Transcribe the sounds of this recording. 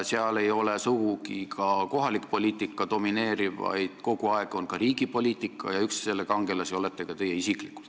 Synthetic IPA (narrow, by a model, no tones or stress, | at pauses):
seɑle̞jo̞lesuɡ̥ukikʰɑko̞ɦɑlikpo̞lʲiːt̪ːˑikːˑɑd̪o̞mine̞ːɾivɑ̰jd̪̥ko̞ɡ̥uɑeɡ̥o̞nkɑɾiːɡipo̞lʲiːt̪ˑikːˑɑ̰jɑyksse̞lːekɑŋɡ̥e̞lɑsio̞let̪ːˑe̞kɑt̪e̞jːeisiklikːˑu̥lt̪